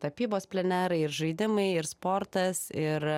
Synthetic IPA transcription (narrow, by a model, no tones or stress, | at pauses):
t̪ɐpʲiːboːspʲlʲɛnʲæːɾɐɪɪɾʒɐɪd̪ʲɪmɐɪɪɾspoːɾt̪ɐsɪɾ